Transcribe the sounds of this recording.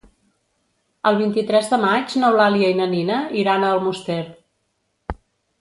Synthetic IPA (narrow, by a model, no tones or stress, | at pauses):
əlˠβ̞int̪it̪ɾɛzðəmad͡ʒnɔwlaliəinəninəiɾanəəlˠmust̪ɛɾ